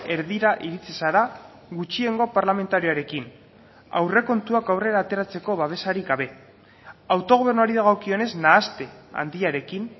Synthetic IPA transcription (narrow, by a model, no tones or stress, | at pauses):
e̞ɾðiɾaʔiɾit͡sisaɾa | ɣut͡ʃie̞ŋɡo̞paɾlame̞nt̪aɾioaɾe̞kin | a̰wre̞ko̞nt̪uakawre̞ɾaːt̪e̞ɾat͡se̞ko̞βaβ̞e̞saɾiɡɡaβe̞ | awt̪o̞ɣ̞o̞β̞e̞ɾnuaɾiðaɣawkio̞ne̞znaːst̪e̞a̰nd̪iaɾe̞kin